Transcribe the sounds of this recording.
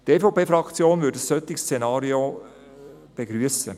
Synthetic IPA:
t̪eːfɑʊpʰeːfɾɑkt͡sjoːnvʏːdəsːœt̪ːɪkst͡senɑːɾio | b̥eɡɾyəsə̰

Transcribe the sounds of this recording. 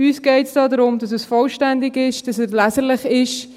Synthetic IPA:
yːsɡ̥ɛɪtsd̥ɑːdəɾʊmdɑsəsfɔlʃtændɪɡɪʃd̥ɑsɛslæzəɾlɪχɪʃ

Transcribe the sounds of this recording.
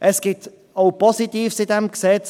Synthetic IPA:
ʔɛsɡ̥ɪt̪ | oʊpɔsɪt̪iːfsɪd̪ɛmksɛt͡s

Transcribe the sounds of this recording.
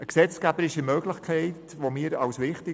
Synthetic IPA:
əksɛt͡skæbəɾɪʃəmœɡlɪχkʰɛɪt | ʋomɪːɾɑwsʋɪχtɪ

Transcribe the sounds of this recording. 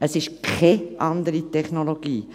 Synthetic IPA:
əsɪʃkʰɛʔɑnd̪əɾitɛχnoloɡ̥iː

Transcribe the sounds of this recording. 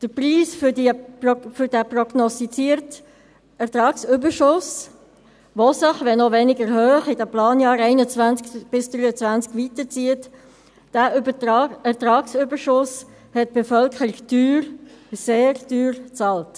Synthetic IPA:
d̥əpriːsfdifʏɾdæprɔɡnɔstit͡siəɾt | ɛʁtɾɑːksʏbəʃʊs | ʋosəχʋɛnɔʋɛnɪɡəɾhøːχɪdɛplɑːnjɑːɾɛɪnət͡svænt͡skb̥ɪsd̥ɾyət͡svænt͡skvitət͡siət | d̥æbɛʁtɾɑːksʏbəɾʃʊs | hɛt̚b̥efœlkʰəɾɪɡd̥yːɾseːɾd̥yːɾt͡sɑːlt

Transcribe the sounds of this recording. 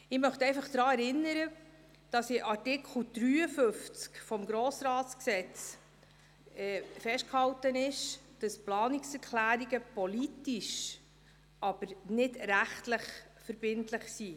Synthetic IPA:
ɪmœχtɛjfɑχd̥ɾɑːɛɾɪnːəɾə | d̥ɑsɪʔɑɾtɪkʰl̩d̥ɾyːəfɵft͡skfɔmɡɾoːsɾɑːtt͡sksɛt͡s | ɛfɛʃtkhɑwtənɪʃd̥ɑsplɑːniksɛɾkʰlæːɾiɡəpɔlitiʃ | ʔɑb̥əɾnɪdɾæχtləχ | fəɾb̥ɪntləχsi

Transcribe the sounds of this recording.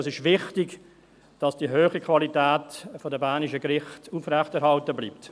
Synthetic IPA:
əsɪʃʋɪχtɪɡ | d̥ɑsd̥iɦøːχikʰvɑlitɛːtfɔdəbaːnɪʃəɡɾɪχtuːfrɛχtɛɾɦhɑltəbliːp̚t

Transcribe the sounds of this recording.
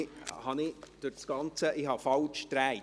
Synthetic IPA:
hɑnɪd̥ʊɾsɡ̥ɑnt͡səʔɪhɑfɑlt͡ʃtɾæɪ

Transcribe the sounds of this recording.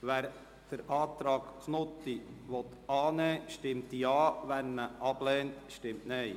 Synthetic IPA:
ʋæːɾ | d̥əɾʔɑːt̪ɾɑːɡ̥snʊt̪ːiʋɔt̪ɑːnɛːʃtɪmt̪jɑːʋæɾməʔɑb̥lɛːntʃtɪmtnɛɪ

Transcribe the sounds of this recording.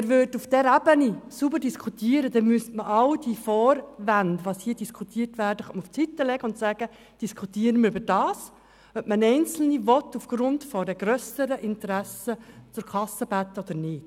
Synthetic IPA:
ɪɾʋʏːdufd̥ɛɾæbənisubəɾd̥iskʰut̪iːəɾəd̪ɛnmyəstməʔɑwd̥ifɔːɾʋændʋɑshiːdiskʰut̪iːərtʋæːɾd̥əχœtməuft͡sit̪ːəlɛɡəʊnt̪sæːɡ̥ə | d̥iskʰutiːəɾənməɾybəɾd̥ɑːs | œp̚mənɛɪnt͡sl̩nivɔt̪ːufɡ̥ɾʊndfɔdɛɡ̥ɾœsəɾəʔɪnt̪ɾæsət͡sʊɾkʰɑsːəb̥æt̪ːəɔd̪əɾnɪːt

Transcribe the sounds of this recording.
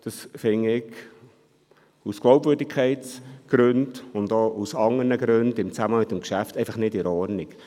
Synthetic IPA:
d̪̥ɑsfɪŋːɪɡ | usklɑwpvøːɾdikʰɛɪt̪sɡ̥ɾʉnd̥ʊnd̪oʔusɑŋərnəɡɾʉnd̥ɪmt͡sæməmɪt̪ːəmkʃæftɛɪfɑχnɪdɪɾɔɾnik

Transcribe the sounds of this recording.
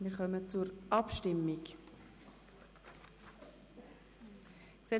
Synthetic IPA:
miːɾχœmət͡suɾʔɑpʃtɪmːik | ksɛ

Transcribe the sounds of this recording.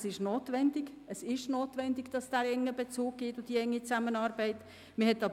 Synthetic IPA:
sɪʃnoːtvɛndɪɡ | əsɪʃnoːtvɛndɪɡd̥ɑsd̥æːɾɛŋːəbet͡suːɡ̥̚ɡ̥ɪtʊd̥iɛŋːit͡samənɑːɾbɛɪt | məhɛtːɑb

